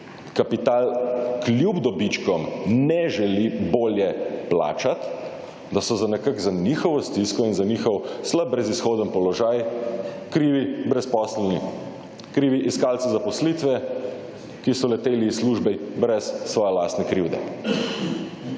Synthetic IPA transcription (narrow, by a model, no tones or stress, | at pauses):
kapit̪aːlkljubd̪ɔbit͡ʃkɔmnɛʒɛliboːljɛpla̰ːt͡ʃat̪ | d̪asɔzanɛkaɡzanixɔʋɔst̪iskɔinzanixɔwsləb̚bɾɛzisxoːd̪ənpɔlɔʒaj | kɾiːʋibɾɛspɔslɛlni | kɾiːʋiʔiskaːlt̪sɛzapɔslit̪ʋɛ | kisɔlɛt̪eːliːsluʒbɛbɾɛsːʋɔːjɛlaːst̪nɛkɾiwd̪ɛ̰